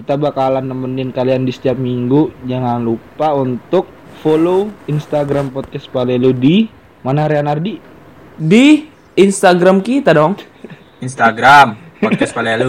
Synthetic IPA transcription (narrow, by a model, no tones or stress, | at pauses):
kit̪abakalanːəmənnkaliandisə̥t̪iap̪̚miŋɡud͡ʒaŋanlupaunt̪ʊk̚ | foloinst̪aɡɾampɔt̪̚kɛspaleludi | manaɾeanardi | di | inst̪aɡɾamkit̪adɔŋ | inst̪aɡɾam | ɔkaspalelu